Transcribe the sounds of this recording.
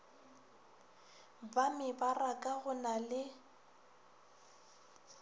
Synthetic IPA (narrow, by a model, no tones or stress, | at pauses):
bamɪbarakʼaɣʊnalɪ